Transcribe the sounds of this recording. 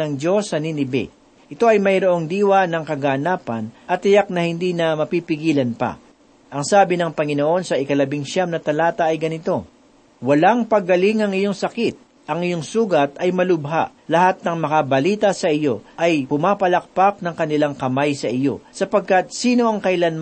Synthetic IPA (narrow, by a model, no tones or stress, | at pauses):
ɐŋd͡ʒo̞sːɐninɪbɛ̰ | ʔɪt̪o̞ɐjmɐjɾo̞ʔo̞ŋd̪iːwɐnɐŋkɐɡanaːpɐnʔɐt̪ːɪjak̚nɐhɪnd̪inɐmɐpipɪɡiːlɐnpɐ̰ | ʔɐŋsaːbɪnɐŋpɐŋɪno̞ʔo̞nsɐʔɪkɐlɐbɪŋʃamnɐt̪ɐlaːt̪ɐʔɐjɡɐnɪt̪o̞ | wɐlaŋpɐɡɐlɪŋɐŋɪjo̞ŋsɐkit̪̚ | ʔɐŋʔɪjo̞ŋsuːɡɐt̪ɐjmɐlʊbɦa̰ʔ | lɐɦat̪̚nɐŋmɐkɐbɐliːt̪ɐsɐʔɪjo̞ʔɐjpʊmaːpɐlɐk̚pak̚nɐŋkɐnɪlaŋkɐmajsɐʔɪjo̞̰sɐpɐɡ̚kɐt̪̚siːno̞ʔɐŋkɐʔɪlanm